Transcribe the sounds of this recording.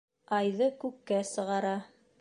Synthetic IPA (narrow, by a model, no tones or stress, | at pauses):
ɑjðɤkʉkːæsɤ̆ʁɑɾɑ